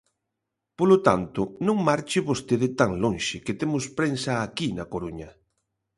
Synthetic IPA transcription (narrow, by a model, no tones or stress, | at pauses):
polot̪ant̪ʊnõŋmaɾt͡ʃɪβost̪eðɪt̪aŋloŋʃɪkɪt̪emʊspɾensɐːkinɐkoɾuɲɐ